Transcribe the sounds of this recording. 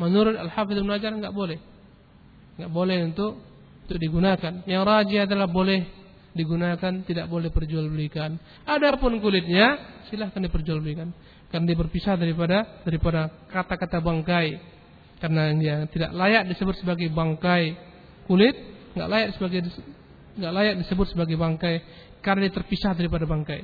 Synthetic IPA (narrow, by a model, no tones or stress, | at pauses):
manuɾʊt̪alhafɪðbɪnad͡ʒarŋɡaʔbolɛh | ŋɡaʔbolɛhunt̪ʊk̪̚ | t̪ʊk̚diɡunakanjaŋrad͡ʒiadalahbolɛh | diɡunakant̪idaʔbolɛhpərd͡ʒualbulikan | adapʊnkulɪt̪̚ɲasilahkandipərd͡ʒualbulikan | karnadiabərpisahdaɾipadadaɾipadakat̪akat̪abaŋkaj | karnaŋiat̪ida̰ʔlajaʔ̚disəbʊt̪səbaɡajbaŋkaj | kulɪt̪̚ŋɡa̰ʔlajaʔsəbaɡaj | ŋɡaʔlajaʔ̚disəbʊt̪̚səbaɡajbaŋkaj | karnadiat̪ərpisahdaɾipadabaŋkaj